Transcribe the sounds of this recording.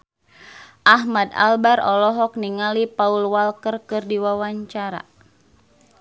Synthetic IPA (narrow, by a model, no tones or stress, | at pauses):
ʔaɦmada̰lbaɾɔlɔɦɔk̚niŋalipaulwalkərkɨrdiwawaɲt͡ʃaɾa̰